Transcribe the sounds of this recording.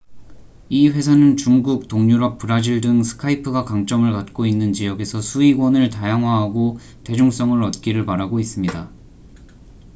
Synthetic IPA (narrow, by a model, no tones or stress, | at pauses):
iɸwe̞sʰanɯnt͡ɕuŋɡuk̚toŋɲuɾʌp̚p͈ɯɾad͡ʑiɭdɯŋsʰɯ̥kʰaipʰɯɡakaŋt͡ɕ͈ʌmɯɭkat̚k͈oinːɯnt͡ɕijʌɡe̞sʰʌsʰuiɡwʌnɯɭtajaŋɦwaɦaɡo | te̞d͡ʑuŋs͈ʌŋɯɾʌt̚k͈iɾɯɭpaɾaɡois͈ɯmɲida